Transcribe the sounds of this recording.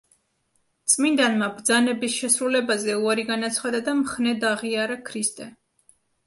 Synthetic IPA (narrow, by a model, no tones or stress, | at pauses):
t̪sʼmind̪anmabɾd̪zanɛbisʃɛsɾulɛbazɛuaɾiɡanat̪sʰχad̪ad̪amχnɛd̪aʁiaɾakʰɾist̪ʼɛ